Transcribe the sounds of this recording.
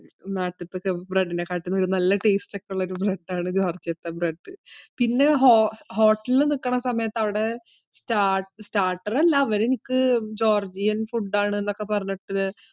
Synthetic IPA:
naːʈːɐt̪ːɨkːebreɖːine̞kːaːʈːiunːɐʋoɾunɐlːɐʈeːstekːeuɭːɐoɾubreɖːaːɳɨd͡ʑoːrd͡ʑiɐt̪ːɐbreɖːɨpinːe̞ɦoho̞ːʈːɐlilnikːɐɳɐsɐmɐjɐt̪ːɐʋiɽe̞ | staːstaːʈːɐrelːɐːʋɐɾenikːɨd͡ʑo̞ːrd͡ʑijɐnfuɖːaːɳɨenːo̞kːepɐrɐɲːoʈːɐðɨ

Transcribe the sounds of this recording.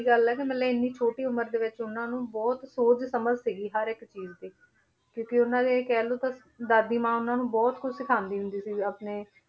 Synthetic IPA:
iɡəlɛːkɪmɛlɛːɪnːiːt͡ʃʰoːʈiːʊməɾd̪eːʋɪt͡ʃʊnãːnũːbɔːt̪soːd͡ʒsəməd͡ʒsiɡiːɦəɾɪkt͡ʃiːzt̪eː | kjõːkeʊnãːd̪eːkɛːloːt̪ã | d̪aːd̪iːmãːʊnãːnũːbɔːt̪kʰʊt͡ʃʰsɪkʰãːnd̪iːɦʊ̃nd̪iːsiːapneː

